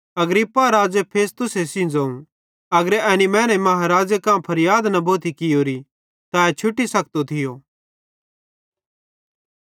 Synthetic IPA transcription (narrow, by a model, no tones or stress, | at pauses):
ɐɡɾɪpːaɾaːd͡ʒepʰeːst̪ʊsesĩd͡zaːũ | ɐɡɾɛːnimɛ̃ːñɛmɐɦaɾaːd͡ʒəkãːpʰɐɾjaːd̪nɐbʱoːt̪ikɪjoːɾi | t̪aɛt͡ʃʰʊʈːisɐk̚t̪ot̪ʰɪjoː